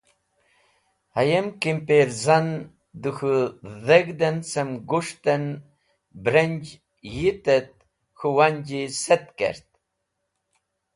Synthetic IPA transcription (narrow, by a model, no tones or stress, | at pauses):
hajemkimpeɾzan | d̪uxuðeɡd̪ensemɡuʂt̪en | bɾenʲd͡ʒ | jit̪et̪̚ | xuwanʲd͡ʒiset̪kḛɾt̪̚